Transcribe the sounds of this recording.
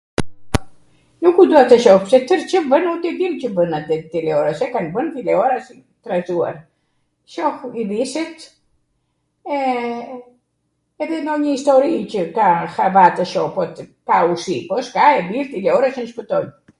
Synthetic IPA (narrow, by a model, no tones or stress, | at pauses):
nukud̪uat̪əʃɔhpsɛt̪əɾt͡ɕəvənut̪ɛd̪incəvənat̪ɛt̪ilɛɔɾasɛkanbənt̪ilɛɔɾasi | t̪ɾazua̰ɾ | ʃɔxivisɛt̪ | ɛ | ɛðɛnd̪ɔɲəist̪ɔɾicəkaxavat̪əʃɔpɔt̪kausipɔskaɛbiɾt̪ilɛɔɾasənʃpət̪ɔj